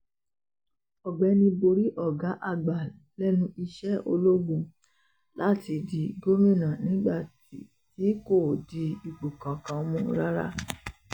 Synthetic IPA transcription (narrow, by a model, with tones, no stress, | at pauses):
ɔ˨ɡ͡bɛ˨˦nĩ˧bo˧ɾi˦ʔɔ˦˨ɡa˨˦ʔa˨ɡ͡ba˨ | lɛ˦nũ˧˦i˧ʃɛ˦o˧lo˦ɡũ˧ | la˦ti˧˦di˨ɡo˦mĩ˦˨nã˨nĩ˨˦ɡ͡ba˦˨ti˨ | ti˨˦ko˦˨di˨˧˦i˨ɡ͡bo˨kã˨kã˧mũ˧˦ɾa˦ɾa̰˦˨